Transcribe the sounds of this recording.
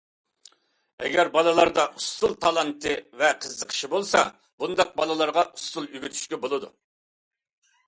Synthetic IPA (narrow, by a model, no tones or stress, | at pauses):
ɛ̰ɡʲɛɾbɑlˠɨlˠɑɾd̪ɑʔust̪ulˠt̪ʰɑlˠɑnt̪ʰɨvɛqʰəzːəqʰə̥ʃibolˠsɑ̰ | bund̪ɑq̚bɑlˠɨlˠɑɾʁɑʔust̪ulˠyɡʲit̪ʰy̥ʃkʲɛbolˠɨd̪ṵ